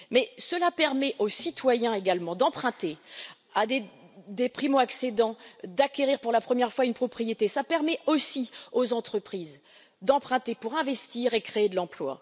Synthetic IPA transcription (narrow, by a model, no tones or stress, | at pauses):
mɛsəlapɛʁmɛʔosit̪wajɛ̃eɡalmɑ̃d̪ɑ̃pχɛ̃t̪e | ad̪e | d̪epχimoaksed̪ɑ̃d̪akʲeʁiʁpuʁlapχəmjɛʁfwaynpχɔpχijet̪esapɛʁmɛosiozɑ̃t̪χəpχiːz | d̪ɑ̃pχɛ̃t̪epuʁɛ̃vɛst̪iʁekχeːd̪əlɑ̃plwa̰